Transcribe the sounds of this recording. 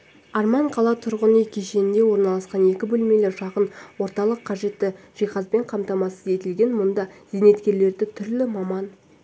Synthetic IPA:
ɑɾmɑɴqʰɑlˠɑt̪ʰʊɾʁənəkʲʰeʃenɪnd̪e̞wo̞ɾnɑlˠɑsqɑne̞kʲɪbɵlme̞leɾʃɑqənwo̞ɾt̪ɑlˠəqʰːɑʒe̞t̪ːɪ | ʒ̥ijχɑsbe̞ɴqʰɑmt̪ɑmɑsəze̞t̪ɪlɡʲe̞nmʊnd̪ɑz̥ene̞t̪kʲe̞ɾle̞ɾd̪ɪt̪ʰʏɾlɪmɑmɑn

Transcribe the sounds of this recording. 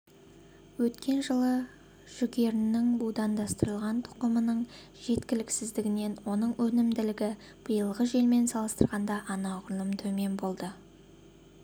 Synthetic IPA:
wɵt̪kʲʰe̞nʒəlˠə | ʒ̥ʏɡʲe̞ɾɪnːɪŋbud̪ɑnd̪ɑst̪əɾəlˠʁɑnt̪ʰʊ̥qəmənəɴ | ʒ̥e̞t̪kʲɪlɪksɪzd̪ɪɡʲɪne̞nwo̞nəɴwɵnɪmd̪ɪlɪɡʲɪ | b̥əjəlˠʁəʒe̞lme̞nsɑlˠəst̪əɾʁɑnd̪ɑʔɑnɑʊɾlˠəmt̪ʰɵme̞mbo̞lˠd̪ə

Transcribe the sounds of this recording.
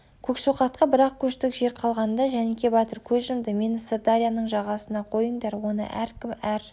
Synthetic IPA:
kʲʰɵkʃoqɑt̪̚qɑbɪɾɑq̚kʲʰɵʃt̪ɪkʒe̞ɾqʰɑlˠʁɑnd̪ɑʒænekʲʰe̞bɑt̪əɾkʲʰɵzʒəmd̪əme̞nɪsərd̪aɾʲijanəɴʒɑʁɑsənɑqʰo̞jəɴd̪ɑɾwo̞nə̰ʔæ̰ɾkʲɪmæɾ

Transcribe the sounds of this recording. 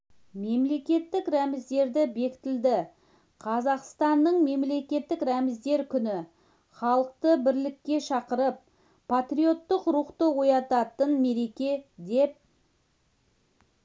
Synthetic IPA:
me̞mle̞kʲe̞t̪ːɪkɾæmɪzd̪e̞ɾd̪ɪbe̞kʲɪ̥t̪ɪld̪ɪ | qʰɑzɑqst̪ɑnːəɴme̞mle̞kʲe̞t̪ːɪkɾæmɪzd̪e̞ɾkʲʰʏnɪ | χɑlˠəq̚t̪əbɪɾlɪkʲːe̞ʃɑqəɾəp̚ː | at̪ɾijo̞t̪ːəqɾuqt̪əwo̞jɑt̪ɑt̪ənme̞ɾe̞kʲe̞d̪e̞p̚

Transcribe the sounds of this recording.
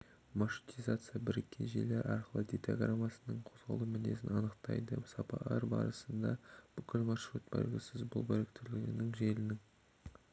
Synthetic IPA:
maʃu̥t̪izat̪sɨjabɪɾekʲʰːenʒḛle̞ɾʔɑ̰ɾqəlˠəd̪et̪a̰ɡramasənəɴqʰo̞zʁɑ̰lˠəmɪne̞sɪnɑnəqt̪ɑ̰jd̪ə̰sɑpɑ̰ɑɾbɑ̰ɾəsənd̪ɑb̥ʏkʲʰɪlmɑʃɾut̪̚bɑ̰ɾɡʲəsɪzbʊ̰lˠbɵɾek̚t̪ɪɾlɪɡʲɪnɪŋʒe̞lɪnɪŋ

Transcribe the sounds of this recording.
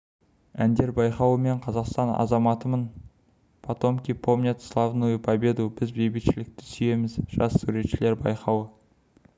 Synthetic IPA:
ænd̪e̞ɾbɑjqɑwəme̞ɴqʰɑzɑqst̪ɑnɑ̰zɑmɑt̪əmən | pʰɑt̪o̞mkʲijpʰo̞mnʲet̪slˠɑvnujpʰɑbʲe̞d̪ubɪzbejbɪt̪ʃɪlɪk̚t̪ɪ̥sʏje̞mɪzʒ̥ɑsːuɾe̞t̪ʃɪleɾbɑ̰jqɑwə

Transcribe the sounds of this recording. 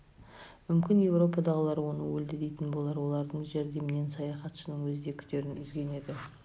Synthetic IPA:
mʏmkʲɪnje̞wɾo̞pɑd̪ɑʁəlˠɑɾəwo̞nəwɵld̪ɪd̪e̞jt̪ɪnbo̞lˠɑɾwo̞lˠɑɾd̪əɴʒe̞ɾd̪e̞mɪne̞nsɑjɑχɑt̪ʃənəɴwɵzɪd̪e̞kʲʰʏ̥t̪e̞ɾɪnʏzɡʲe̞ne̞d̪ɪ

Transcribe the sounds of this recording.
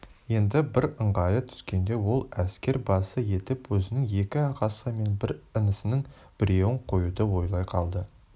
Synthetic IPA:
je̞nd̪ɪbɪɾəɴʁɑjət̪ʰʏ̥skʲe̞nd̪e̞wo̞lˠæskʲe̞ɾbɑsəje̞t̪ɪpwɵzɪnɪŋe̞kʲɪɑqɑsəme̞nbɪɾənəsɪnɪŋ | b̥ɪɾe̞wɪɴqʰo̞jud̪əwo̞jlˠɑjqʰɑ̰lˠd̪ə

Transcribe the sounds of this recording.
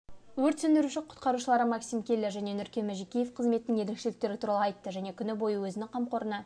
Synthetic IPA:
wɵɾt̪sɵnd̪ɪɾuʃɪqʰʊ̥t̪qɑɾuʃəlˠɑɾəmɑksimkʲʰe̞lːeʒæne̞nʏɾkʲe̞mæʒikʲijefqʰəzmet̪ɪnɪŋje̞ɾekʃelɪk̚t̪e̞ɾɪt̪ʰuɾɑlˠəɑjt̪ːəʒæne̞kʲʰʏnɪbo̞jəwɵzɪnɪŋqʰɑmqo̞ɾənɑ

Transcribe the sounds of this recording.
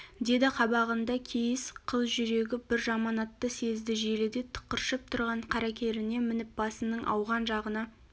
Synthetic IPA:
d̪e̞d̪ɪqʰɑbɑʁənd̪ɑkʲʰejɪsqʰəzʒʏɾe̞ɡʲɪbɪɾʒɑmɑnɑt̪ːəse̞zd̪ɪʒe̞lɪd̪e̞t̪ʰə̥qːəɾʃəp̚t̪ʰʊɾʁɑɴqʰɑɾɑkʲe̞ɾɪne̞mɪnɪp̚bɑsənəɴʔɑ̰wʁɑnʒɑʁənɑ

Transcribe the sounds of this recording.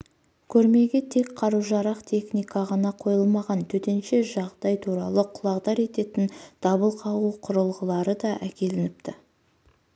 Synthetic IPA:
kʲʰɵɾme̞ɡʲe̞t̪ʰe̞kqʰɑɾuwʒɑɾɑqt̪ʰe̞χnijkɑʁɑnɑqʰo̞jəlˠmɑʁɑnt̪ʰɵt̪e̞nʃe̞ʒɑʁd̪ɑjt̪ʰuɾɑlˠəqʰʊ̥lˠɑʁd̪ɑɾe̞t̪e̞t̪ɪnd̪̥ɑbəlˠqʰɑwuqʰʊɾəlˠʁəlˠɑɾəd̪ɑʔækʲe̞lɪnɪp̚t̪ɪ

